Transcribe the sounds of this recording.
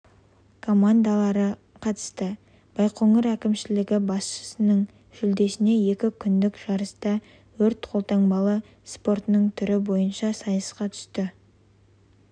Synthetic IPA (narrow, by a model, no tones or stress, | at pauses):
kʰo̞mand̪alˠɑɾə | qʰɑt̪ə̥st̪ə | b̥ɑjqʰoŋəɾækʲɪmʃɪlɪɡʲɪbɑsʃə̥sənəɴ | ʒ̥ʏld̪e̞sɪne̞je̞kʲɪkʲʰʏnd̪ɪkʒ̥ɑɾəst̪ɑ | wɵɾt̪qʰo̞lˠt̪ɑɴbɑlˠə | spo̞ɾt̪nəɴt̪ʰʏɾɪbo̞jənʃɑsɑjəsqɑt̪ʰʏ̥st̪ɪ